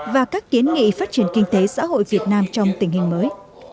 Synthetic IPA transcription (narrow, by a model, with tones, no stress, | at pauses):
vaː˨˩kaː˦˥k̚ki˨˦ənŋḭ˧˨faː˦˥t̚t͡ɕi˧˩ənkï˧ŋ̟t̪e˨˦sa̰ː˧˥ho̰˧˨jvi˨˩ət̚naː˧mt͡ɕɔ˧wŋ͡mt̪ï˧˩ŋ̟hï˨˩ŋ̟məː˨˦j